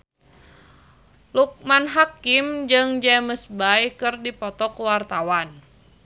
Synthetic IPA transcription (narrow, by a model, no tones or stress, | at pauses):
luk̚manɦakɪmd͡ʒɨŋd͡ʒɛməsbajkɨrdipɔt̪ɔkəwart̪awan